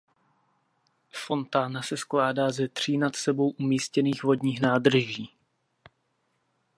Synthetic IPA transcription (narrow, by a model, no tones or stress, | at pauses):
fo̞nt̪aːnasɛsklaːdaːzɛt̪r̝̥iːnat̪sɛbo̞wʔumiːscɛniːxvo̞dɲiːxnaːd̪r̩ʒiː